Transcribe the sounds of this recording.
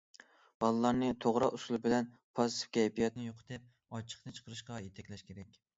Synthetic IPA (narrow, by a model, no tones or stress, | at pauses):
b̥ɑlˠɨlˠɑɾnɨt̪ʰoʁɾɑʔusulˠɨbɪlɛn | pʰɑsɨ̥fkʲʰɛjpijɑt̪nɪjoqʰt̪ɪp̚ | ɑt͡ʃʰə̥qnɨt͡ʃʰə̥qʰəɾɨʃqɑjet̪ʰɛkʲlɛʃkʲʰeɾɛkʲ